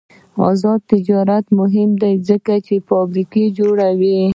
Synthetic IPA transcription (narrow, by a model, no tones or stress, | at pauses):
ɑ̰zɑd̪̚t̪ɪd͡ʒɑɾat̪mʊɦɪmd̪ajzəkat͡ʃefɑbɾiked͡ʒoɽawi